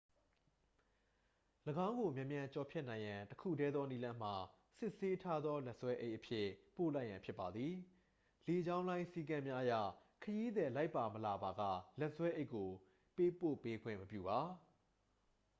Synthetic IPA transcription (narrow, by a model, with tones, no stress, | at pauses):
ləɡã˦ʊ̃ŋɡo˨mjɛ̃˨mjã˨ɲt͡ɕɔ˨pʰjɛ˦ʔnã˨ɪ̃jã˨təkʰṵ˦˨dɛ˦d̪ðɔ˦ni˦lã˦m̥a˨ | sɪ˦ʔse˦tʰa˦d̪ðɔ˦lɛ˦ʔswɛ˦ʔe˦ɪʔəpʰjɪ˦po˦˨la˦ɪʔjã˨mpʰjɪ˦pːa˨d̪ði˨ | le˨d͡ʑã˦ʊ̃lã˦ɪ̃si˦˨kã˦mja˦ʔəjä̰˦˨kʰəji˦d̪ðɛ˨la˦ɪpːa˨məla˨ba˨ɡä̰˦˨lɛ˦ʔswɛ˦ʔe˦ɪkːo˨ | pe˦po̰˦˨pe˦ɡwɪ̰̃˦˨məpjṵ˦˨ba˨